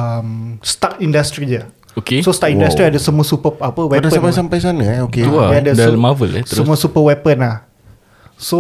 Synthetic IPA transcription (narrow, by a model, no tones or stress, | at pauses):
əmst̪akindast̪ɾid͡ʒə | okesost̪aʔĩndat̪ɾiadəsəmũəsupəapəwɛdaãpajsampajsanəɛokeuaadədmavəlɛəsəmũasupəwɛpənlah | so